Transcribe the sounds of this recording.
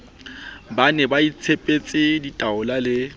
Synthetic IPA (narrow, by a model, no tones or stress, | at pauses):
banɛbait͡sʰepʼet͡sʼɪditʼaʊlalɪ